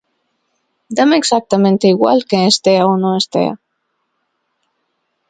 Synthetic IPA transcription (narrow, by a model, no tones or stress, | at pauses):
d̪ameɡzak̚t̪amẽnt̪eiɣwa̰lkeːst̪eaonoest̪ḛa̰